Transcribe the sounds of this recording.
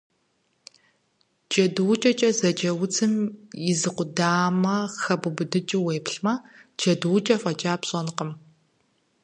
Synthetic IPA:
d͡ʒɐduwt͡ʃʼɐt͡ʃʼɐzɐd͡ʒɐwʊt͡sʰɨmjɪzɨqʷʊdaːmɐxɐbʊbɨdɨt͡ʃʼɪweːpɬmɐd͡ʒɐduwt͡ʃʼɐfʷʼɐt͡ʃʼaːpɕʼɐnqəm

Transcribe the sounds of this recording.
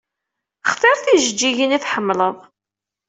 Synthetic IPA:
χθˤeɾˤθiʒəd͡ʒːiʝəniθħəmːləðˤ

